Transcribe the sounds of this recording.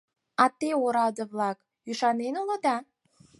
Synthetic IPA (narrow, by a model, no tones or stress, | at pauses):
ɑt̪eoɾɑd̪ə̆βlɑk | yʃɑnenolɤ̆d̪ɑ